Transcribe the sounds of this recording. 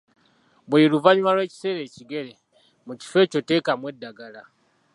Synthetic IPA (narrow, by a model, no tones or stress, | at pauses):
βwiːɾuvaɲumalwe̞ːci̥se̞ɾe̞ciɡe̞ɾe | muci̥fe̞ːco̞te̞ːkamwe̞daɡala